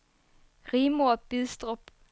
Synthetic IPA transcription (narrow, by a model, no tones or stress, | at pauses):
ʁiːmob̥iðˠsd̥ʁɔb̥